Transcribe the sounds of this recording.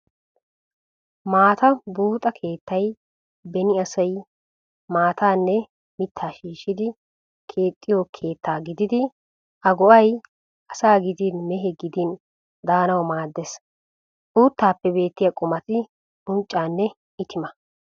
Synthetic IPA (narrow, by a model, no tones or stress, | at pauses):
maːt̪ɐbuːt̪ʼɐkʰe̞ːt̪ːɐj | bɛnɪɐsɐj | maːt̪aːnːɛ | mɪt̪ʰːaːʃiːʃːɪd̪ɪ | kʰe̞ːt̪ʼːɪjokʰe̞ːt̪ʰːaːɡɪd̪ɪd̪ɪ | ʔɐɡɔʔɐj | ʔɐsaːɡɪd̪inmɛɦɛɡɪd̪in | d̪aːnɐwmaːd̪ːɛs | ʔʼuːt̪ːaːpːɛbe̞ːt̪ːɪjɐkʼʊmɐt̪ɪ | ʊnt͡ʃʼːaːnːɛ | ɪt̪ɪmɐ